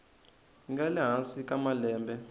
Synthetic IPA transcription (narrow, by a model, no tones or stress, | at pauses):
ŋɡɛlɛɦasikʼamalɛːmbɛ